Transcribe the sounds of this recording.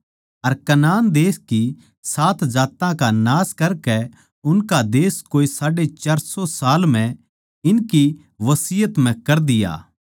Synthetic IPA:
ɐɾkɐnaːnd̪eːski | saːt̪d͡ʒaːt̪ãkanaːskɐɾkɛ | ʊnkad̪eːskoːisaːɖet͡ʃaːɾsɔsaːlmɛ̃ | ɪnki | ʋɐsɪjət̪m̤ɛ̃kɐɾd̪ɪja̰ː

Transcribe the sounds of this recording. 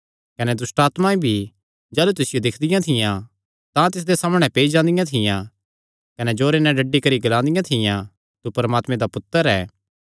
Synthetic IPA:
kɐnɛd̪ʊsʈaːt̪maĩbʱi | d͡ʒɛːlut̪ʊsɪjod̪ɪkʰd̪ɪjãt̪ʰɪjã | t̪ãt̪ɪs̬d̪esaːməɽ̃ɛ̃peːid͡ʒãːnd̪ɪjãt̪ʰɪjã | kɐnɛd͡ʒoːɾenɛ̃ɖɐɖːikɐɾiɡɐlãːnd̪ɪjãt̪ʰɪjã | t̪upɐɾmaːt̪mẽd̪apʊt̪ːəɾɛː

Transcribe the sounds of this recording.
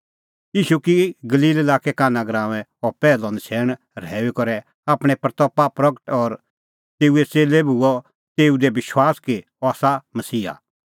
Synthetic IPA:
jiːʃukiɡɐliːlelaːkekaːnaɡɾãːʋɛ̃ɔpɛːlɔ̃nt͡ʃʰɛːɽ̃ | ɾɛːekɔɾɛ | aːpɽ̃ɛ̃pɾɐt̪ɔpːapɾɐɡəʈɔɾ | t̪eːuet͡seːlebuɔ | t̪eːud̪ebɪʃwaːske | ɔaːsamɐsiːɦa̰

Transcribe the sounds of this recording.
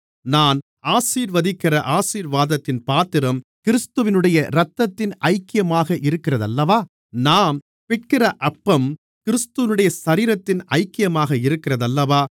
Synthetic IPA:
naːn | aːsiːɾʋɐðɪkːɪrɐʔaːsiːɾʋaːðɐt̪ːɪnpaːt̪ɪɾɐmkɪɾɯst̪ɯʋɪnɯɽɐjɐɾɐt̪ːɐt̪ːɪnʔɐɪkːɪjɐmaːɣɐʔɪɾɯkːɪrɐðɐlːɐʋaː | naːm | pɪʈ̚kɪrɐʔɐpːɐm | kɪɾɯst̪ɯʋɪnɯɽɐjɐsɐɾiːɾɐt̪ːɪnɐɪkːɪjɐmaːɣɐɪɾɯkːɪrɐðɐlːɐʋaː

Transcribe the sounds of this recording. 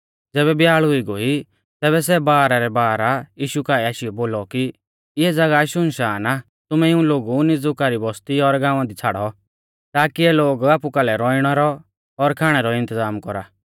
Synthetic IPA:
d͡zɛːbɛbjaːɭɦʊiɡoi | t̪ɛːβɛs̬ɛbaːɾaɾɛbaːɾajiːʃukaːɛaːʃiɔboːlɔki | ɪɛd͡zɐɡaʃʊnʃaːna | t̪ʊmɛɪũloːɡunɪd͡zʊkaɾibɔst̪iɔɾɡãːʊ̃ãd̪it͡sʰaːɽɔ | t̪aːkiɛloːɡaːpukalɛɾɔiɽ̃ɔɾɔː | ɾkʰaːɽ̃ɛɾɔɪ̃nt̪əzaːmkɔɾa

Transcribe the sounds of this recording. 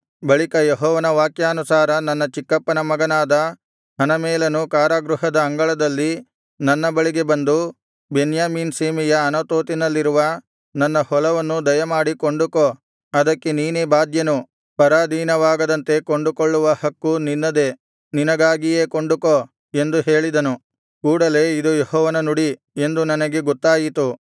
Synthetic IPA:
bɐɭikɐjeɦɔːʋɐnɐʋaːkjaːnusaːɾɐnɐnːɐt͡ʃikːɐpːɐnɐmɐɡɐnaːd̪ɐ | ɦɐnɐmɛːlɐnukaːɾaːɡɾuɦɐd̪ɐːŋɡɐɭɐd̪ɐlːi | nɐnːɐbɐɭiɡe̞bɐnd̪u | benjaːmiːnseːmijɐːnɐt̪oːt̪inɐlːiɾuʋɐ | nɐnːɐhɔlɐʋɐnːud̪ɐjɐmaːɽikoɳɖuko | ɐd̪ɐkːe̞niːnebaːd̪jɐnu | pɐɾaːd̪ʱiːnɐʋaːɡɐd̪ɐnt̪e̞koɳɖukoɭːuʋɐhɐkːuninːɐd̪e̞ | ninɐɡaːɡijeːkoɳɖuko | e̞nd̪uɦe̞ːɭid̪ɐnu | kuːɽɐle̞ːid̪ujehɔːʋɐnɐnuɽi | e̞nd̪unɐnɐɡe̞ɡɔt̪ːaːjit̪u

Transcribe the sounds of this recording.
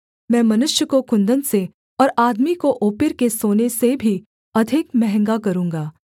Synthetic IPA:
mɛ̃ːmɐnʊʃjəkokʊ̃nd̪ənse | ɔːɾaːd̪mikoʔoːpɪɾkesoːnesebʱi | ɐd̪ʱɪkmɛɦɛ̃ŋɡakɐɾũːŋɡaː

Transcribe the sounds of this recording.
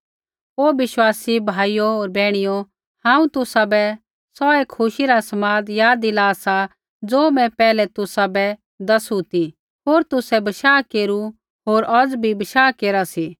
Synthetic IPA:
oːʋɪʃwaːsibʱaːijooːɾbɛːɽ̃ɪjo | hãːũt̪ʊsabɛ | sɔeːkʰːʊʃiɾasɐmaːd̪jaːd̪ilaːsa | d͡zoːmɛ̃pɛːlɛt̪ʊsabɛ | d̪ɐsut̪i | ɦoːɾt̪ʊsɛbɐʃaːkeːɾu | ɦoːɾʔɔd͡zbʱibɐʃaːkeːɾasiː

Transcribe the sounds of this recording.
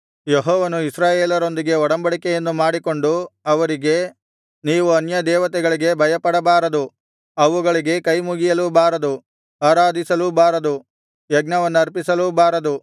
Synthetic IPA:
jeɦɔːʋɐnuisɾaːjeːlɐɾo̞nd̪iɡe̞ɔɽɐmbɐɽikɛjɐnːumaːɽiko̞ɳɖuɐʋɐɾiɡe̞ | niːʋuɐnjɐd̪ɛːʋɐt̪ɛɡɐɭiɡe̞bʱɐjɐpɐɽɐbaːɾɐd̪u | ɐʋuɡɐɭiɡe̞kɐjmuɡijɐlubaːɾɐd̪u | aːɾaːd̪ʱisɐlubaːɾɐd̪u | jɛɡnɐʋɐnːuɐɾpisɐlubaːɾɐd̪u

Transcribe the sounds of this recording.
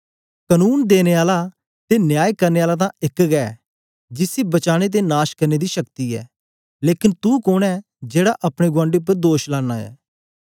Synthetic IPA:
kənuːnd̪eːneaːla | t̪enjaːjkɐɾneaːlat̪̬ãɪkɡɛː | d͡ʒɪsibɐt͡ʃaːɽ̃et̪̬enaːʃkɐɾned̪iːʃɐkt̪iɛ̰ː | leːkɪnt̪ukoːñɛː | d͡ʒeːɽaʔɐpɽ̃eɡwãːɳɖeʊp̬ːəɾd̪oːʃlãːnːaːɛ̰ː

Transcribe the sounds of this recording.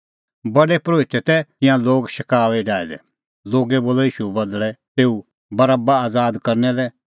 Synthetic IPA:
bɐɖɛpɾoːɪt̪ɛt̪ɛɪ̃jãloːɡʃɐkaːʋɛɖaːɛd̪ɛ̰ | loːɡɛboːlɔjiːʃubɐd̪lɛt̪eːu | bɐɾaːbaaːd͡zaːd̪kɐɾnɛlɛ

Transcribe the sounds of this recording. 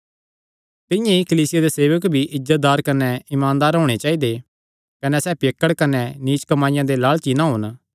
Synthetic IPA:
t̪ɪ̃jãikɐliːsɪjad̪eseːʋəkbʱiʔɪzət̪̚d̪aːɾkɐnɛɪmãːnd̪aːɾɦoːɽ̃et͡ʃaːid̪e | kɐnɛsɛːpekːəɽkɐnɛniːt͡ʃkɐmaːɪjãd̪elaːɭt͡ʃinãɦoːn

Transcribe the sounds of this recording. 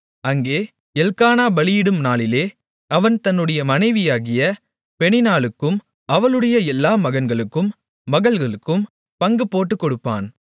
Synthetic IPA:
ɐŋɡeː | ɛlkaːnaːbɐɭɪjɪɽɯmnaːlɪleː | ɐʋɐnt̪ɐnːɯɽɐjɐmɐnɐɪʋɪjaːɣɪjɐ | pɛɳɪnaːɭɯkːɯm | ɐʋɐlɯɽɐjɐɛlːaːmɐɣɐnɡɐɭɯkːɯmː | ɐɣɐɭɣɐɭɯkːɯm | pɐŋɡɯpːoːʈːɯkːɔɽɯpːa̰ːn

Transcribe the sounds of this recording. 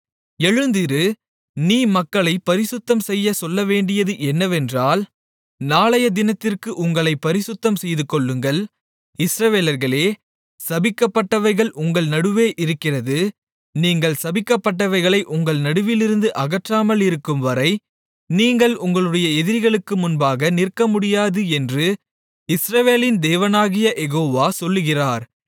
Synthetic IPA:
ɛɻɯnd̪ɪɾɯ | niːmɐkːɐɭɐɪpːɐɾɪsɯt̪ːɐmsɛjːɐsɔlːɐʋeːɳɖɪjɐðɯʔɛnːɐʋɛndraːl | naːlɐjɐd̪ɪnɐt̪ːɪrkɯʔʊŋɡɐɭɐɪpːɐɾɪsɯt̪ːɐmsɛjðɯkɔɭːɯŋɡɐɭ | ɪsɾɐʋeːlɐɾɣɐɭeː | sɐbɪkːɐpːɐʈːɐʋɐɾɣɐɭʔʊŋɡɐɭnɐɽɯʋeːʔɪɾɯkːɪrɐðɯ | niːŋɡɐɭsɐbɪkːɐpːɐʈːɐʋɐɪɣɐɭɐɪʔʊŋɡɐɭnɐɽɯʋɪlɪɾɯnd̪ɯʔɐɣɐʈraːmɐlɪɾɯkːɯmʋɐɾɐɪ | niːŋɡɐɭʊŋɡɐɭɯɽɐjɐɛðɪɾɣɐɭɯkːɯmʊnbaːɣɐnɪrkːɐmʊɽɪjaːðɯɛndrɯ | ɪsɾɐʋeːlɪnd̪eːʋɐnaːɣɪjɐʔɛɣoːʋaːsɔlːɯɣɪraːɾ

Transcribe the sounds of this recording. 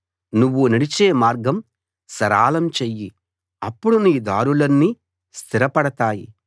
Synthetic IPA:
nuʋːunɐɽit͡ʃeːmaːɾɡɐm | sɐɾaːlɐmt͡ʃejːi | ɐpːuɽuniːd̪aːɾulɐnːi | st̪ʰiɾɐpɐɽɐt̪aːjḭ

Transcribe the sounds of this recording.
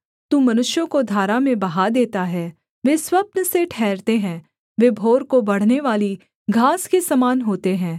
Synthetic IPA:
t̪ũːmɐnʊʃjõkod̪ʱaːɾamẽbɐɦad̪eːt̪aɦɛ | ʋeːswɐpnəseʈʰɛːɾt̪eɦɛ̃ː | ʋeːbʱoːɾkobɐɽ̤neʋaːli | ɡʱaːskesɐmaːnɦoːt̪eɦɛ̃ː

